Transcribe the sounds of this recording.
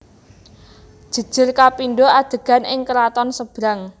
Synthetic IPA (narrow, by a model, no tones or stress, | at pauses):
d̥ʒ̥ə̤d̥ʒ̥ə̤rkapinɖoad̪̥ə̤ɡ̥a̤nʔɪŋkəɾat̪ɔnsəb̥ɾaŋ